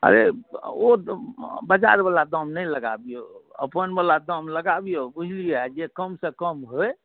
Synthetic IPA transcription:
ə̰ɾḛo | bəd͡ʒa̰ɾbəlad̪əmnəjləɡa̰bijoə̰pənbəlad̪əmləɡabijobud͡ʒʱlijɛd͡ʒekəmsə̃kəmɦoj

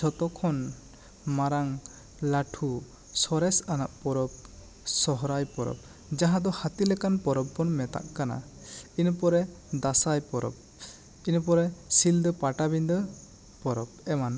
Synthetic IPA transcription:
t͡ʃʰɔt̪ɔkʰɔn | maɾaŋ | laʈʰu | sɔɾɛsana̰ʔpɔɾɔp̚ | sɔɦɔɾajpɔɾɔ̰p̚ | d͡ʒaɦãd̪ɔhat̪ilɛkanpɔɾɔb̚bɔnmɛt̪a̰ʔkana̰ | inpɔɾɛ | d̪asajpɔɾɔ̰p̚ | inpɔɾɛsild̪ɔpaʈabind̪ə | pɔɾɔpɛman

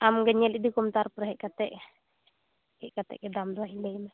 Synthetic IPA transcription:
amŋɡɛɲɛlid̪ikɔmt̪aɾpɾahɛʔkat̪ɛʔ | hɛʔkat̪ɛ̰ʔkɛd̪amd̪ɔaɦilejma

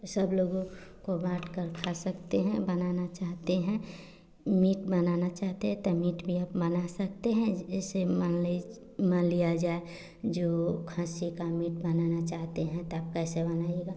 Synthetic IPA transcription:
səbloːɡõkobaːʈʰkəɾkʰasɐkt̪eɦɛ̃bɐnaːnat͡ʃaːɦt̪eɦɛ̃ | miːʈbɐnaːnat͡ʃaːɦt̪eɦɛ̃t̪ɔmiːʈbʱiaːpbɐnasɐk̚t̪eɦɛ̃ɛsem | mə̃nlijad͡ʒaːe | d͡ʒoːkʰãːsikamiːʈbɐnanat͡ʃaːɦt̪eɦɛ̃t̪oaːp̚kɛsebɐnaːieːɡaː

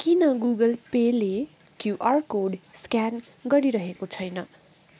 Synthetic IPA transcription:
kinʌɡuɡʌlpele | kjuʔarkoɖskjanɡʌɾiɾʌɦekot͡sʰʌjnʌ

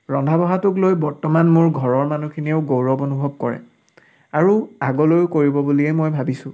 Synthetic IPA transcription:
ɹɔndʱabɔɦatʊklojbɔɹtɔmanmʊɹɡʱɔɹɔɹmanukʰiniɛʊɡowɹɔbonubʱɔb̚kɔɹɛ̰ | aɹuaɡɔlojʊkoɹibɔbuliɛmojbʱabisʊ̃

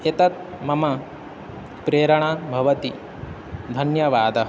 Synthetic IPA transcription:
et̪ɐt̪̚ | mɐmɐ | pɾeːɾɐɳ̃abʱɐʋɐt̪i | d̪ʱɐnjɐʋaːd̪ɐɦ

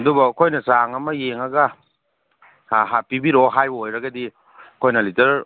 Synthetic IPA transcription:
dubɐkʰojnɐsaŋɐmɐjeŋɐɡɐ | ɦapibiɾoɦajojɾɐɡɐdi | kʰojnɐlitɐɾ

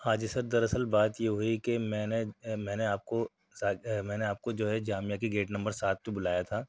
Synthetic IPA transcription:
aːd͡ʒsɐɾd̪ɐɾɐsəlbaːt̪jeɦoikemɛ̃ːnemɛ̃ːneaːp̚ko | saːmɛ̃ːneaːp̚kod͡ʒoːɦɛd͡ʒaːmijakeɡeːʈnɐ̃mbəɾsaːt̪̚kebʊlaːjat̪ʰaː

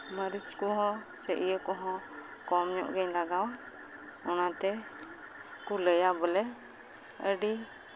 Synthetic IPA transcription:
məɾiskuɦɔ̃ | sɛʔijəkɔɦɔ̃kɔmɲɔ̰ʔɡɛɲlaɡaw | ɔnat̪ɛ | kuləjabəlɛ | əɖi

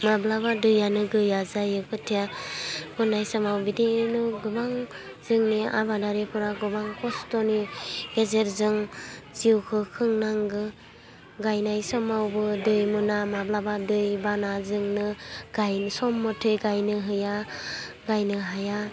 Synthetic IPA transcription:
mablabadɯjanɯɡɯjazajɯkʰɯtʰijabɯnajsɔmawbidinɯɡɯbaŋ | z̥ɯŋnia̰badaɾepʰɯɾaɡɯbaŋkɔstɔniɡezeɾzɯŋziwkʰɯkʰɯŋnaŋɡɯ | ɡajnajsɔmawbɯdɯjmunamablabadɯjbanazɯŋnɯɡ̥ajnsɔmːɔtʰɯjɡajnɯɦɯja | ɡajnɯɦaja

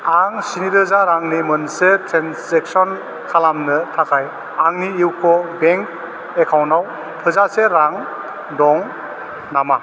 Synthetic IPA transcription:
aŋsiniɾɯzaɾaŋnimɯnsetʰɾenseksɔn | kʰalamnɯtʰakʰaj | aŋniiwkʰɔbeŋk̚ | ekʰawnaw | tʰɯzaseɾaŋ | dɔŋ | nama

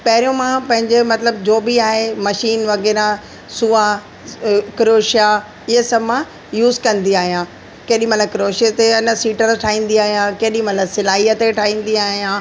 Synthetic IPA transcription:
pɐɦɪɾijõmãpɐ̃ɦɪ̃ɲd͡ʑemɐt̪ləbd͡ʑoːbiaːɦemɐʃiːnʋɐɣɛːɾã | suːa | kɪɾoːʃja | ɪɦəsɐbmã | juːzkɐ̃nd̪iaːɦijãː | keɦɗĩmɐt̪ləkɪɾoːʃet̪eɐnə̆siːʈəɾʈʰaːĩːn̆d̪iaːɦijãkeːɗĩmɐt̪ləbsɪlaːɦijət̪eʈʰaːĩːn̆d̪iaːɦijãː

